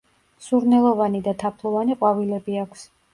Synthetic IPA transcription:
suɾnɛlˠɔvanid̪at̪ʰapʰlˠɔvaniqʼwavilɛbiakʷʰs

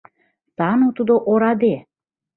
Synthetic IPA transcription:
t̪ɑnut̪ud̪oʔoɾɑd̪e

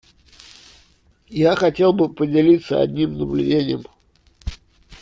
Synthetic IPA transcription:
jaxɐtʲe̞lˠbɨpədʲɪlʲit̪səɐ̰d̪ʲnʲimnəblʲʉ̰dʲenʲɪjəm

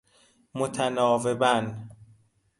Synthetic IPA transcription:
mot̪ʰænɒːvebæn

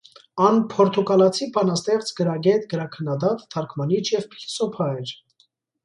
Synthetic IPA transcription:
ɑnpʰɔɾt̪ʰukɑlɑt͡sʰibɑnɑst̪ɛχt͡sʰɡəɾɑɡɛt̪ɡəɾɑkʰənːɑd̪ɑt̪ːʰɑɾkʰmɑnit͡ʃʰjɛvpʰlsɔpʰɑɛɾ

